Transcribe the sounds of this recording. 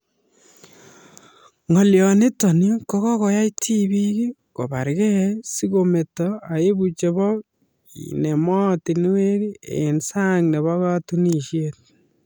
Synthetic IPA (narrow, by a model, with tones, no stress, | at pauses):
ŋɔ˨ljɔ˨ne˦tɔ˨ni˦ko˦kɔ˦kɔ˨ja˦iti˦bi˦ki˦ | ko˨ba˨ɾkɛ˦si˦ko˨me˨tɔa˨e˦bu˨t͡ʃe˨bɔ˦ | ḭne˨mɔ˦ti˨n˦we˦ɾi˦ḛ˨nsa˦ŋne˨βɔ˦katu˦ni˦ʃjet̚